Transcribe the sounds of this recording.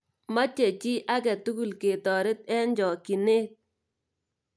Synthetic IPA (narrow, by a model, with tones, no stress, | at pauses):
ma˦t͡ʃe˨t͡ʃi˦ʔa˦kɛ˨tu˦ku˨lke˨tɔ˨ɾɪ˦t̚ɛ˦nd͡ʒɔ˨ki˨ne˦t̚